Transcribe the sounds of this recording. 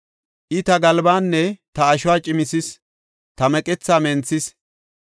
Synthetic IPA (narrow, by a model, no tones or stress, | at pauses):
ʔɪt̪ɐɡɐlbaːnːɛt̪ɐːʃʊwaːt͡ʃʼɪmɪsɪs | t̪ɐmɛkʼɛt͡sːaːmɛnt͡sːɪs